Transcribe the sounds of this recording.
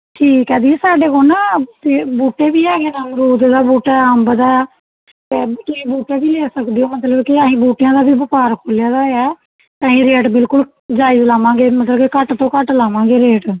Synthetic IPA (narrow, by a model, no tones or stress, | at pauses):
ʈʰiːkːɛ̃ːd̪iɛːsaːɖeːkonaːt̪eːbuːʈeːbiːaːɡeːnaːmɾuːd̪d̪aːbuːʈaːəmbd̪aː | t̪eːkɪĩːbuːʈaːbiːleːsəkd̪ɪjõːmət̪ləbkɪaːɦĩːbuːʈɪjãːd̪aːbiːbəpaːɾkʰoːlɪjaːd̪aːɛː | t̪ãːɦĩːɾeːʈbɪlkʊl | d͡ʒaːiːzlaːʋãːɡeːmət̪ləbkekəʈt̪õːkəʈlaːʋãːɡeːɾeːʈ